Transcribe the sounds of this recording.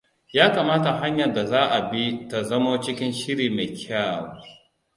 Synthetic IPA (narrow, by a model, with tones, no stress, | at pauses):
jaː˦kaː˨maː˦ta˨ɦa˦ɲjɐ˨rda˨zaː˦ʔa˨bi˦ta˨zɐ˦moː˦t͡ʃɪ˦kʲɪ˦nʃɪ˦ɽiː˨me˨kʲʰaː˦˨wo˨˦